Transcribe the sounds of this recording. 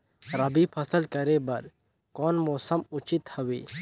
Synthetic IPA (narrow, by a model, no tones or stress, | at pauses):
ɾɐbipʰɐsəlkəɾebɐɾ | kɔːnmɔːsəmʊt͡ʃɪt̪hɐwḭː